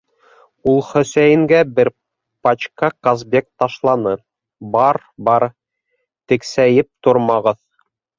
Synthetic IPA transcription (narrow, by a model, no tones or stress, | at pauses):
ulˠχɵ̆sæjɘ̆ŋɡæbɘɾ | pɑt͡ɕkɑkazbʲek̚t̪ɑʃlˠɑnɤ | bɑɾ | bɑɾ | t̪ɘ̆ksæjɘp̚t̪oɾmɑʁɤð